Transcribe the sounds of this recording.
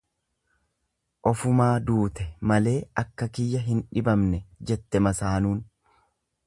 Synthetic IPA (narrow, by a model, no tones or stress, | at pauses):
ʔɔfʊmaːd̪uːt̪ɛmɐle̞ːɐkːɐkɪjːɐɦɪnᶑɪbɐmnɛd͡ʒɛt̪ːɛmɐsaːnuːn